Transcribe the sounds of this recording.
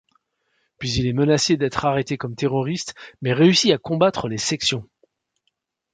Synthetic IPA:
pɥizilɛmənased̪ɛt̪χaʁet̪ekɔmt̪eʁɔʁist̪mɛʁeysiakɔ̃bat̪χəlesɛksjɔ̃

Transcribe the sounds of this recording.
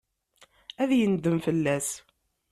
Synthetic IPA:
æðjənd̪əmfəlːæs

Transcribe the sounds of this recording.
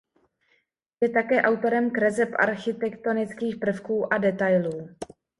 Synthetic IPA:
jɛt̪akɛːʔawt̪o̞ɾɛmkɾɛzɛpʔa̰ɾxɪt̪ɛkt̪o̞nɪt͡skiːxpr̩fkuːʔadɛt̪ajluː

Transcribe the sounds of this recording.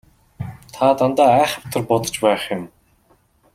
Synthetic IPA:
t̪ʰat̪ant̪aːæːχə̆pt̪ʰə̆rpɔt̪ɞ̥̆t͡ɕpæːχjʊm

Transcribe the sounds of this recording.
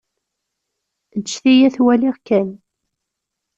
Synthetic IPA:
d̪t͡ʃːθijæθwæliʁkːæn

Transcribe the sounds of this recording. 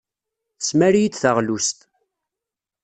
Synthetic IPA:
θəsmæɾjit͡s̪ːθəʁlust̪

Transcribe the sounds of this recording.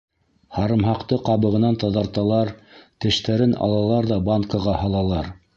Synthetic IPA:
hɑɾɤ̆mɦɑqt̪ɤqɑβɤ̆ʁɤ̆nɑnt̪ɑðɑɾt̪ɑlˠɑɾt̪ɘ̆ʃt̪æɾɘnɑ̰lˠɑlˠɑɾðɑbɑŋkəʁɑhɑlˠɑlˠɑɾ

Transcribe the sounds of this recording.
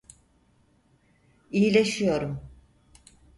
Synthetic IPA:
ijilʲeʃijo̞ɾum

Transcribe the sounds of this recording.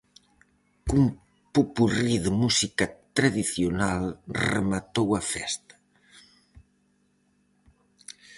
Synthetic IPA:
kum | pupuriðəmusikat̪ɾaðiθjonalrə̰mat̪owɐfɛst̪ɐ̥

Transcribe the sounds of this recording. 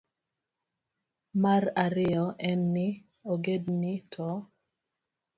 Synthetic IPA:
maraɾɪɔʔɛnːɪ | oɡednɪtʰɔ

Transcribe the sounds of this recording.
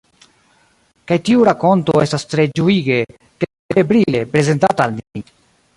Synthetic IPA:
kajtiuɾako̞ntoe̞stast̪ɾe̞d͡ʒuiɡe̞ | ke | ebɾile̞pɾe̞ze̞ntataːlni

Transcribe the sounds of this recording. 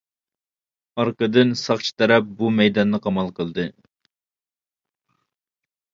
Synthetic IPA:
ɑɾqəd̪ɨnsɑχt͡ʃʰi̥t̪ʰɛɾɛp̚bumɛjd̪ɑnːɨqʰɑmɑlˠqʰəlˠd̪ɨ

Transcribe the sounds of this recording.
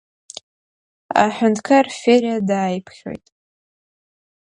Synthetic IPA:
a̰ħʷᶣʊntʰkʰarfeɾjadaːjpʰχʲḛjtʼ

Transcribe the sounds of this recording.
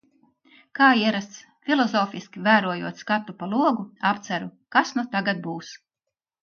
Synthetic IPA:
kaːiɛɾast̪s | fʲilˠɔzɔːfiskʲivæːɾuɔjuɔt̪skat̪ːupalˠuɔɡuapt̪sæɾukasnut̪aɡad̪̚buːs

